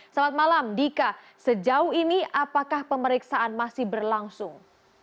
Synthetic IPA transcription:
salat̪̚malamdika | səd͡ʒauɦiniʔapakahpəməɾiksaanmasɪhbərlaŋsʊŋ

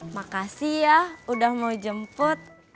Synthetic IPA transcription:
makasijahudahmaud͡ʒəmpʊt̪̚

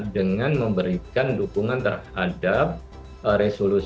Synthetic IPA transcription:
dəŋanməmbəɾikandukuŋant̪ə̰rha̰dap̚ | ɾesolus

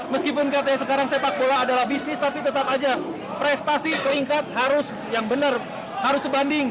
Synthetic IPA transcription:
məskipʊnkiat̪ajasəkaɾaŋsaeapak̚bolaːdalahbisnɪst̪apit̪ət̪apad͡ʒa | pɾɛst̪asipəɾiŋkat̪̚haɾʊs | jaŋbənər | haɾʊsəbandɪŋ

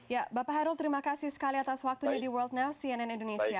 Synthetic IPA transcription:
jabapaɦaɾult̪əɾimakasihsə̥kaliat̪aswak̚t̪uuɲadiwərld̪̚nawsiɛnɛnindonesia

